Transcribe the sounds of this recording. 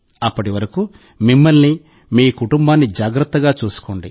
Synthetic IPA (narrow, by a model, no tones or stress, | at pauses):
ɐpːɐʈiʋɐɾɐku | mimːɐlni | miːkuʈumbaːnːid͡ʒaːɡɾɐt̪ːɐɡaːt͡ʃuːsu̥koɳɖi